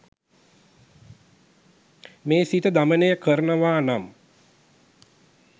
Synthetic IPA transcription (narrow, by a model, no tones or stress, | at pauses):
meːsit̪əd̪amənejəkəɾənəʋaːnam